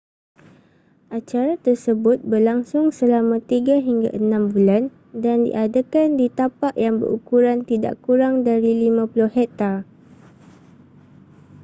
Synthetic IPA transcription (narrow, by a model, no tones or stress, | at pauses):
ʔat͡ʃaɾat̪ərsəbʊt̪̚bərlaŋsʊŋsəlamãt̪iɡaɦiŋɡa̰ʔənãmbulan | dandḭʔadakandit̪apaʔjaŋbə̰ɾukuɾant̪ida̰ʔkuɾaŋdaɾilimãpulʊhhɛt̪ar